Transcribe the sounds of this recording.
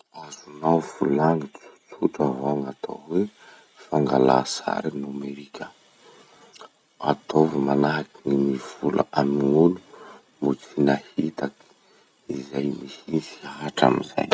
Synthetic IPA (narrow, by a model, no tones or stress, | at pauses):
azunawvulaŋit͡su̥t͡suʈ͡ʂavaŋat̪ʰo̰we | faŋɡala̰sa̰ɾinameɾikʰʲa | at̪ʰovimanaɦakinimiv̥ula̰amiŋulu | mut͡sinahit̪aki̥ | izajmisinsiaɦaʈ͡ʂa̰miza̰j